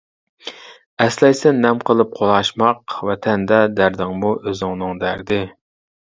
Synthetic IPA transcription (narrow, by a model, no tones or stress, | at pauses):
ɛslɛjsɛnːɛmqʰəlˠɨp̚qʰolˠɑʃmɑqvɛt̪ʰɛnd̪ɛd̪æɾd̪ɪŋmuʔøzɪŋnɨŋd̪æɾd̪ɪ